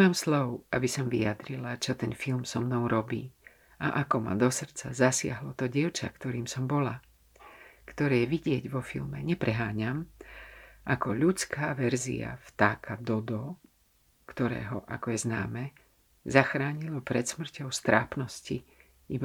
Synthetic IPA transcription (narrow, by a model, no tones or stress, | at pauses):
amslɔʊʔabisɔmviad̪ɾilat͡ʃɔt̪ɛnfilmsɔmnɔʊɾɔbiː | aʔakɔma̰d̪ɔsr̩t͡sazasɪa̰ɦlɔt̪ɔɟɪɛʊt͡ʃa̰kt̪ɔɾiːmsɔmbɔla | kt̪ɔɾɛːjɛʋiɟɪɛɟʋɔfḭlmɛɲɛpɾɛɦaːɲam | ʔakɔʎut͡skaːʋɛɾzḭa̰ft̪aːkʰad̪ɔd̪ɔ | kt̪ɔɾɛ̰ːɦɔʔa̰kɔjɛzna̰ːmɛ | zaxɾaːɲilɔpɾɛt̪smr̩cɔʊst̪ɾʔaːpnɔsci | ib